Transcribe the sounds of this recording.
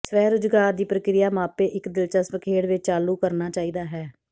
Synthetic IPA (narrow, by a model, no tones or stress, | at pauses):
sʋɛːɾʊd͡ʒɡaːɾd̪iːpɾəkɾɪjaːmãːpeːʔɪkd̪ɪlt͡ʃəsʋəkʰeːɽʋɪt͡ʃt͡ʃaːluːkəɾnaːt͡ʃaːiːd̪aːɦɛː